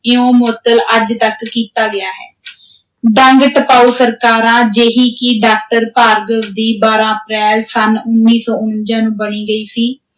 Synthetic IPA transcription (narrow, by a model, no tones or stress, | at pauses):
ɪõːmoːt̪ələd͡ʒt̪əkːiːt̪aːɡɪaːɦɛː | ɖəŋɡʈəpaːusəɾkaːɾãːd͡ʒeːɦiːkɪɖaːk̚ʈəɾpaːɾɡəʋd̪iːbaːɾãːəpɾɛːlsənʊnːiːsɔːʊnd͡ʒãːnũːbəniːɡəiːsiː